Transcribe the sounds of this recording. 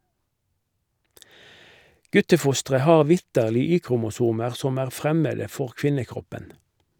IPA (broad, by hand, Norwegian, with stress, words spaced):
ˈɡʉtəˌfʊstʁə ˈhɑːʁ ˈʋɪtəʁlɪ ˈyːkʁʊmʊˌsuːməʁ ˈsɔm ˈæːʁ ˈfʁɛmədə ˈfɔʁ ˈkʋɪnəˌkʁɔpən